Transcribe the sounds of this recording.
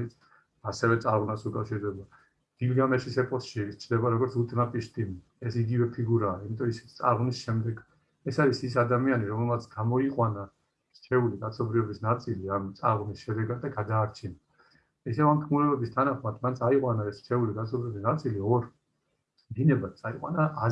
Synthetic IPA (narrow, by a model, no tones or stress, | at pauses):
it̪sʰ | asɛvɛt̪sʼaɾʁnasukʼafʃiɾd̪ɛba | d̪̥ilɡamɛʃisɛpʼɔsʃit͡ʃʰd̪ɛbaɾɔɡɔɾt̪sut̪ʼnapʼiʃt̪ʼimi | ɛsiɡivɛpʰiɡuɾaːimit̪ʼɔɔissʼa̰ɾʁnisʃɛmd̪ɛɡ | ɛsaɾisisad̪amianiɾɔmɛlmat̪sʰɡamɔiqʼwana | ɾ̥t͡ʃʰɛuliɡat̪sʰɔbɾiɔbisnat̪sʼiliamt̪sʼa̰ɾʁnisʃɛd̪ɛɡad̪aɡad̪aːɾt͡ʃʰina | isɛvamt̪ʰkʰmuɾɛbɛbist̪ʰanaχmat̪ʰmansʰaiqʼwanaɛst͡ʃʰɛuliɡat̪sʰɔbɾiɔbisnat̪sʼiliɔɾ | d̪inɛbat̪̚sʼaiqʼwa̰naː